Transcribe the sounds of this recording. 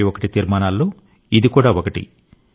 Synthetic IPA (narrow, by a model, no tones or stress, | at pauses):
iokɐʈit̪iːɾmaːnaːlːoː | id̪ikuːɽaːʋokɐʈḭ